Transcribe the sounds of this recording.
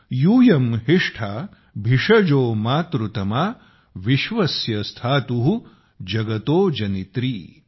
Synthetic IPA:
juːjɐmɦiʂʈʰaː | bʱiʂɐd͡ʒoːmaːt̪ɾut̪ɐmaː | ʋiʃʋɐsjɐst̪ʰaːt̪uɦu | d͡ʒɐɡɐt̪oːd͡ʒɐnit̪ɾiː

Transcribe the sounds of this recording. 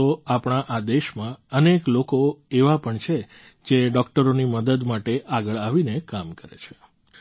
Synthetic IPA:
oapɳ̃aʔad̪eʃmãəneklokoeʋapəɳt͡ʃʰe | d͡ʒeɖɔkʈəɾoniməd̪əd̪maʈeʔaɡəɭaʋinekamkəɾḛt͡ʃʰe̥

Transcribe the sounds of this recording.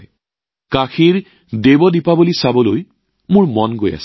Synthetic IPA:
kaxiɹ | debɔdipabulisabɔloj | mʊɹmɔnɡoja̰sɛ̥

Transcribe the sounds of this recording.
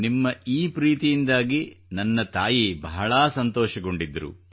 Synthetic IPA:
nimːɐiːpɾiːt̪ijind̪aːɡinɐnːɐt̪aːjibɐɦɐɭaːsɐnt̪ɔːʃɐɡo̞ɳɖid̪ːɐɾṵ

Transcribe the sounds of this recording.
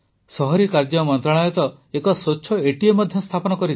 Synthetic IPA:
sɔɦɔɾikaɾd͡ʒɔmɔnt̪ɾaɭajɔt̪ɔ | ekɔsoːt͡ʃʰɔeʈiemɔd̪ʱjɔst̪ʰapɔnɔkɔɾi

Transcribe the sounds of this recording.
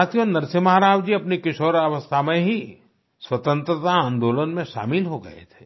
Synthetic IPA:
at̪ionɐɾsemɐɦaɾaːwd͡ʒiɐpnikɪʃoːɾɐʋəst̪ʰamẽɦi | swɐt̪ə̃nt̪ɾət̪aãːnd̪oːlənmẽʃa̰ːmɪlɦoɡɐ̰ḛt̪ʰe̥ː

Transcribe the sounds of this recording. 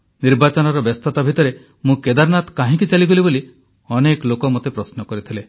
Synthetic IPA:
niɾbat͡ʃɔnɔɾɔbest̪ʰɔt̪abʱit̪ɔɾe | mũked̪aɾnat̪kaɦĩkit͡ʃaliɡoliboli | ɔnekɔlokɔmot̪epɾɔsnɔkɔɾit̪ʰile

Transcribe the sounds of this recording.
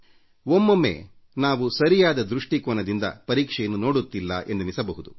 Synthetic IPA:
omːɐmːḛː | naːʋusɐɾijaːd̪ɐd̪ɾuʂʈikoːnɐd̪ind̪ɐ̰pɐɾiːkʂɛjɐnːuno̞ːɽut̪ːilːɐ̰ʔe̞nd̪umisɐbɐɦud̪u

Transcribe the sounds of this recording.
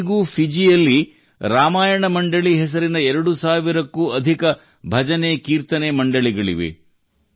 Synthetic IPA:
ɡuːpʰid͡ʒijɐlːi | ɾaːmaːjɐɳɐmɐɳɖɐɭiɦɛs̬ɐɾinɐɛɾɐɽusaːʋiɾɐkːuːɐd̪ʱikɐ | bʱɐd͡ʒɐneːkiːɾt̪ɐneːmɐɳɖɐɭiɡɐɭḭʋḛ

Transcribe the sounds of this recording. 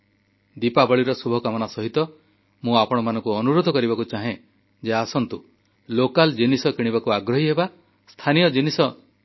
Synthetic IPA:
d̪ipabɔɭiɾɔsubʱɔkamɔnasɔɦit̪ɔ | mũapɔɽ̃ɔmanɔ̃ŋkuɔnuɾod̪ʱɔkɔɾibakut͡ʃaɦẽ | d͡ʒeasɔnt̪u | lokald͡ʒinisɔkiɽ̃ibakuaɡɾɔɦiɦeba | st̪ʰanijɔd͡ʒinisɔ

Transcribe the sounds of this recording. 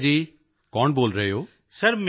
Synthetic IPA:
d͡ʒiː | kɔːɳboːlɾəɦjoː | səɾm

